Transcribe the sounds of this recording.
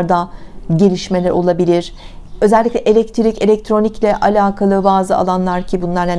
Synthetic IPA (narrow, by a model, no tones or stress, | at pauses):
ɾd̪aɟe̞lʲiʃme̞lʲɛɾo̞lˠabilʲiɾ̥ø̞zɛlʲːiclʲɛʔelʲɛct̪ʰiɾicelʲɛc̚t̪ʰɾo̞niclʲɛʔalʲaːkʰalˠɯbaːzɯa̰lˠanlˠaɾcʰibunlˠaɾa